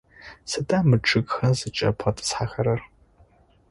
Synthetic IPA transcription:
sɨdaːmɨʈ͡ʂʰʼɨkʼxɐzɨt͡ʃʼɐ̰pʰɐtʰʼɨ̥sħaxɐɾɐr

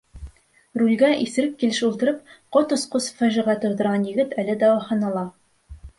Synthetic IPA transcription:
rulʲɡæʔisɘ̆ɾɘp̚kilɘʃulˠt̪ɤ̆ɾɤpqot̪ŏsqosfæʒĭʁɑt̪ŏɾd̪ɤ̆ɾʁɑnjɘ̆ɡɘt̪ælɘd̪ɒwɑχɑnɑlˠɑ

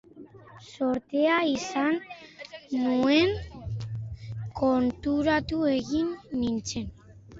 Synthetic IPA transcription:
so̞ɾt̪eaisanː | ue̞ŋ | ko̞nt̪uɾat̪ue̞ɣinːint͡se̞n

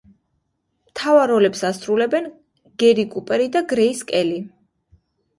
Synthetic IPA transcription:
mt̪ʰavaɾɔlɛpsasɾulɛbɛn | ɡ̥ɛɾikʼupʼɛɾid̪aɡɾɛiskʼɛli

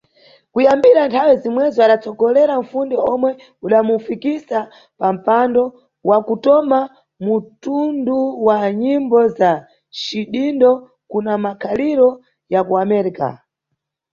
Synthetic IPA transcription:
kujambiɾantʰawɛzimwɛzɔaɗat͡sɔɡɔlɛɾaɱ̩fundiɔmwɛ | uɗamufikisa | pam̩pandɔ | wʔakutɔma | mutunduwaɲimbɔza | t͡ʃiɗindɔ | kunamakʰaliɾɔ | jakuamɛɾika̰

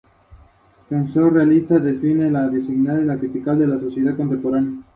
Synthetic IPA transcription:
fensorealist̪aðefinelaðisiɣnaðeinak̪it̪ikald̪e̞laso̞sje̞ð̞aðko̞nt̪e̞mpo̞ɾanja

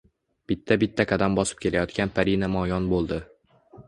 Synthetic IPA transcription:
b̥ɪt̪ʰːabɪt̪ʰːakʰad̪ambɒsɪ̥p̚kʲʰe̞lajɒt̪kʲanpʰaɾinamɒjɒnbolˠd̪ɪ

